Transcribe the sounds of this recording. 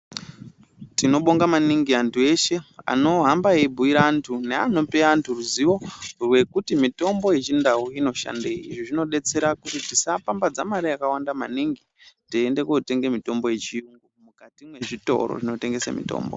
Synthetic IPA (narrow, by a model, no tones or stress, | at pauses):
tino̞ɓoŋɡamaniŋɡiantʰue̞ʃe̞a̰no̞ɦambaeibʱuiɾaːntʰunea̰no̞peaːntʰuruziwo̞rwe̞kutimito̞mbo̞je̞t͡ʃindauino̞ʃa̰ndeiːʐiʐino̞ɗe̞t͡se̞ɾakutitisapambad͡zamaɾijakawandama̰niŋɡi | tiende̞kuote̞ŋɡemito̞mbo̞je̞t͡ʃiuŋɡumukatimwe̞ʐito̞̰ɾo̰ʐino̞te̞ŋɡe̞sa̰mḭto̞̰ːmbo̰